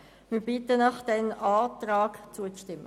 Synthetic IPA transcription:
mib̥ɪtənɑχd̥̪ɛnɑːtraːɡt͡suət͡sʃtɪmːə

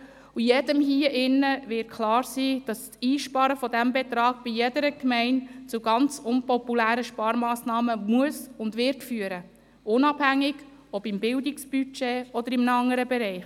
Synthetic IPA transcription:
ujɛd̥əmɦiːəʔɪnːəʋɪt̚kʰlɑːɾsiːd̥ɑssiːʃpɑɾəfɔdæmbet̪ɾɑːɡ̥̚b̥ijɛdəɾəkmɛɪnt͡suɡɑnt͡sʊnpɔpulæːɾəʃpɑːɾmɑːsnɑːməmuəsʊndʋɪɾtfyːəɾə | ʊnɑb̥hæŋːɪɡ | ɔbɪmbɪldɪksb̥yt͡ʃeːɔd̪əɾɪmnɑŋːəɾəbɛɾɛɪχ

